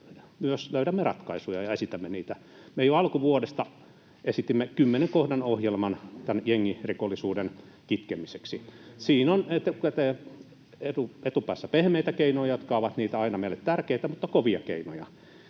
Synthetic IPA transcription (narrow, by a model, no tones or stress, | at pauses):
myøsløyɾæmːerɑt̪kɑisujɑjɑesit̪æmːeniːt̪æ | mejoɑlkuʋuodest̪ɑ | esit̪imːekymːeneŋkohdɑnohjelmɑnt̪ænjeŋːirikolːisuːden | kit̪kemiseksisiːnonet̪ːkæt̪e | et̪uet̪upæːsːæpehmeit̪ækeinojɑjot̪kɑoʋɑt̪niːt̪æɑinɑmeilːet̪t̪ærkeit̪æmut̪ːɑkoʋiɑkḛino̰jɑ